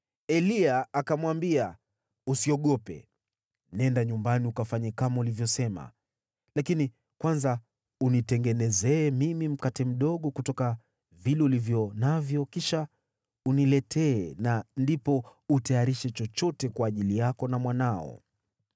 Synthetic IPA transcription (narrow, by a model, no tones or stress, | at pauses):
ɛliaakamwambia | usiɔɠɔpɛ̰ | nɛndaɲumbaniukafaɲɛkamaulivjɔsɛma̰ | lakini | kwanza | unitɛŋɡɛnɛzɛːmimim̩katɛm̩ɗɔɠɔkutɔka | vilɛulivjɔnavjɔkiʃa | unilɛtʰɛːnandipɔutajaɾiʃɛt͡ʃɔt͡ʃɔtɛkwaːʄilijakɔnamwanaɔ̰